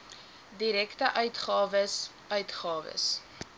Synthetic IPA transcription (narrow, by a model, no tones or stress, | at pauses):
diɾɛktəʔœɥtχɑːvəs | œɥtχɑːvə̰s